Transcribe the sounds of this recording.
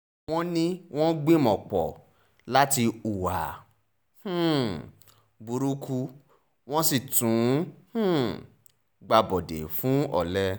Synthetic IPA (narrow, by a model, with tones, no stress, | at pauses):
w̃ɔ̃˦nĩ˦w̃ɔ̃˦ɡ͡be˦mɔ̃˨k͡pɔ˨ | la˦ti˧u˨wa̰˨ | h̩˦˨ | bu˧ɾu˦ku˦ | w̃ɔ̃˦si˦˨tũ˨˦h̩˦˨ | ɡ͡ba˧bɔ˨dḛ˨fũ˨˦ɔ̰˦˨lɛ˧